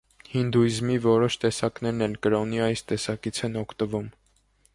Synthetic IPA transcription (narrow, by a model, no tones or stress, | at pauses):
hind̪uizmivɔɾɔʃt̪ɛsɑkn̪ɛɾnɛlkəɾɔniɑjst̪ɛsɑkit͡sʰɛnɔkʰt̪əvum